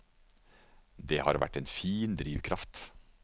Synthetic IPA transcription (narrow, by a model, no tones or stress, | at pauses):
d̪eːhɑːɾʋæ̰ʈeːnfiːnd̪ɾiːʋkʰɾɑft̪